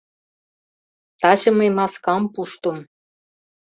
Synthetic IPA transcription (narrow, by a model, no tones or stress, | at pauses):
t̪ɑɕɤ̆mejmɑskɑmpuʃt̪ŏm